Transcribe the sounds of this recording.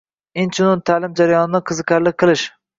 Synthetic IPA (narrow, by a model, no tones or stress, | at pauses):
ɪnt͡ʃʰʊnʊnt̪ʰalɪmd͡ʒaɾajɒnɪnɪqʰɨzɨqʲʰaɾlɪk̚ʲqʰɨlˠɪʃ